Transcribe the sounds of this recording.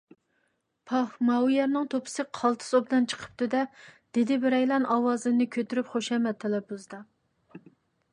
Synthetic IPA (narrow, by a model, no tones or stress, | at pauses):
pʰɑχmɑujɛɾnɨŋt̪ʰopʰɨ̥sɨqʰɑlˠt̪ʰɨ̥sobd̪ɨnt͡ʃʰə̥qʰə̥p̚t̪ɨd̪ɛd̪̥ed̪ɪbɪɾɛjlˠɑnʔɑwɑːzɨnɨkʲʰøt̪yɾypχoʃɛmɛt̪ʰːɛlɛbuzd̪ɑ